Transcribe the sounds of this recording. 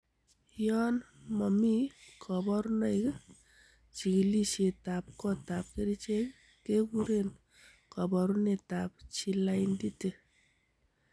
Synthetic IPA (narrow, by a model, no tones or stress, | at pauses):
jɔnmɔmikʰɔbɔɾunəjk | t͡ʃiɡlit͡ʃet̪ap̚kɔt̪ap̚keɾit͡ʃʰe | keɡuɾen | kɔbɔɾunet̪ap̚t͡ʃʰilajnd̪it̪e